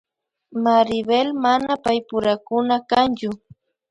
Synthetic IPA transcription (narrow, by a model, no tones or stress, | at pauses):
maɾɪbelmanapajpʊɾakʊnakant͡ʃʊ